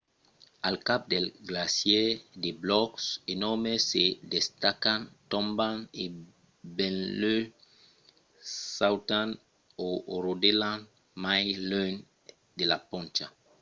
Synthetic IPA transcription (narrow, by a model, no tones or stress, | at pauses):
alkap̚d̪elɡlasjedeblɔksenɔmesedest̪akant̪õmbane | bẽnlø | sawtan | oɾodelan | majløn | d̪elapõnt͡ʃa